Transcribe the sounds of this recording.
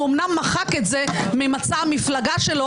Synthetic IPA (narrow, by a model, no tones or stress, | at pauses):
omnamːaχaketzememat͡samiflaɡaʃe̞lo